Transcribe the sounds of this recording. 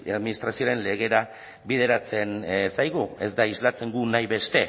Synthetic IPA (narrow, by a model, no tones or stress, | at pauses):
aðminist̪ɾasio̞ɾe̞nle̞ɣ̞e̞ɾa | βiðe̞ɾat͡se̞nsajɣue̞zd̪aizlat͡se̞ŋɡunajβe̞st̪e̞